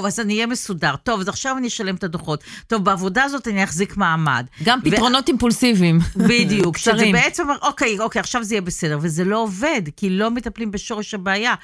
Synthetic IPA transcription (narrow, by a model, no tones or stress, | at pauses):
vazanijemesudaʁto̞vazaχʃavvanieʃale̞met̪adoχo̞ttːo̞vbeavo̞daːzo̞taniaχzikmaːma̰dɡampitvʁonotimpulsivimbidijukʃeʁebeet͡semaʔo̞kejo̞kejaχʃavzeijebesede̞ʁve̞ze̞lo̞ove̞dkilo̞metaplimbeʃo̞ʁeʃabeːja